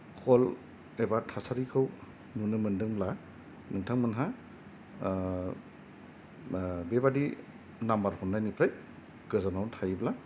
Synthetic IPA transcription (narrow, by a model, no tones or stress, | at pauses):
kʰɔl | ebatʰasaɾikʰɯw | nunɯmɯndɯŋbla | nɯŋtʰaŋmɯnɦa | bebadi | nambaɾhɔnnajnipʰɾaj | ɡ̥ɯzanawtʰajbla